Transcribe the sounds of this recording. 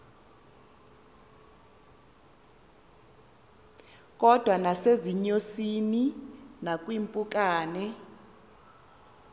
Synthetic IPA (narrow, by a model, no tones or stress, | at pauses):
k̬ʼɔd̥ʱwanaseziɲosininak̬ʼwimpʼuk̬ʼaːnɛ